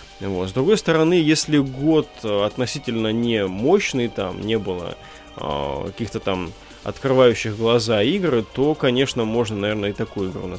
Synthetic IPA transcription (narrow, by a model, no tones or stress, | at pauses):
vo̞t̪zd̪ɾʊɡo̞jst̪əɾɐnɨjesʲlʲɪɡo̞t̪ɐt̪nɐsʲitʲɪlʲnənʲɪmo̞ɕnɨjt̪a̰mnʲe̞bɨlˠə̰ | ə̰kɐ̰kʲixt̪ət̪am | ɐ̰t̪kɾɨvajʉɕːɪxɡlˠɐzaiɡɾɨt̪o̞kɐnʲe̞ʂnəmo̞ʐnənɐvʲe̞rnəɪt̪ɐkujʊiɡɾṵnɐ